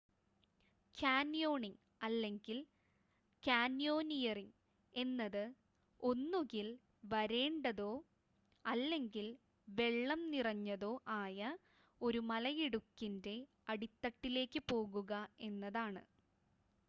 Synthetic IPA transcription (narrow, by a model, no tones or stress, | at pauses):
kʰaːnjo̞ːɳiŋ | ɐlːe̞ŋɡil | kaːnjo̞ːnijɐriŋ | e̞nːɐðɨ | o̞nːuɣil | ʋɐɾe̞ːɳɖɐðo̞ː | ɐlːe̞ŋɡil | ʋe̞ɭːɐmnirɐɲːɐðo̞ːʔaːjɐ | o̞ɾumɐlɐjiɽukːinde̞ | ɐɽit̪ːɐʈːile̞ːkːɨpo̞ːɣuɣɐe̞nːɐðaːɳɨ̰